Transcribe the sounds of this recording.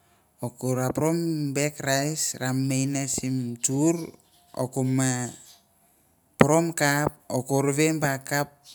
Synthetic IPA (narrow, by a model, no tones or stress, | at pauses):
okoɾapɾombekɾajsɾamːejnasimtuɾ | o̰koma | pɾomkap̚okoɾβembakap̚